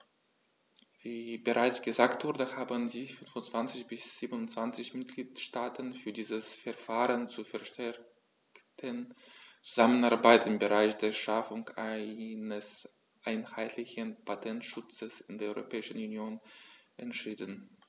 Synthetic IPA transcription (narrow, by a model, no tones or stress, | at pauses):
v̥iːbəʁaɪt͡sɡ̥əzaːktv̥ʊʁdəhaːbəndiːfʏnfʊntt͡sv̥ant͡sɪçb̥ɪsz̥iːbənʊntt͡sv̥ant͡sɪçmɪt̚ɡ̥liːtʃtaːtʰənfyːɐdiːzəsfɛɐfaːʁənt͡sufɛɐʃtʰɛɐ | ktʰənt͡suzamənaɐbaɪtɪmbəʁaɪçd̥eːɐʃafʊŋa̰ɪnəs | ʔaɪnhaɪtʰlɪçənpʰatʰɛntʃʊt͡səsɪndeːɐɔʏʁopʰɛːɪʃən̩unjoːnʔɛntʃiːdn̩